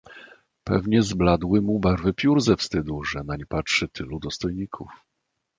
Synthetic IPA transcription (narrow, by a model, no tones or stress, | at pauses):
pɛ̰vɲɛzblad̪wɘmubaɾvɘpʲjuɾzɛfst̪ɘd̪uʐɛnaɲɛpatʂɘt̪ʰɘlud̪ɔst̪ɔjɲikʰṵf